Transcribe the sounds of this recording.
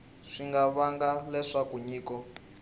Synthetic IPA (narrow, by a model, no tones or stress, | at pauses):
ʂiŋɡaβaŋɡalɛʂakuɲiːkɔ